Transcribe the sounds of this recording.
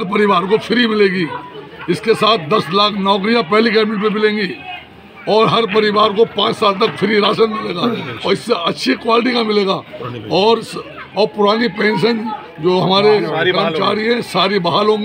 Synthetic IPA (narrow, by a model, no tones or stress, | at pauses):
ɐɾp̬ɐɾɪʋaːɾkofʰɪɾimɪleːɡiɪskesaːt̪̚ʰd̪ɐslaːkʰnɔːk̬ɾijapɛɦlik̬ɛːmɪlp̬emɪlẽːŋɡi | ɔːɾɦɐɾpɐɾɪʋaːɾkopãːt͡ʃsaːlt̪ɐkfʰɪɾiɾaːʃənmɪleːɡaːɔːɾɪsːeʔɐtːʃʰikwaːlɪʈ̬ikamɪleːɡaːɔːɾs | ɔːɾpʊɾaːnipɛ̃ːnʃ̬ən | d͡ʒoːɦɐmaːɾekant͡ʃaːɾiɦɛ̃saːɾibɐɦaːlɦõːŋɡi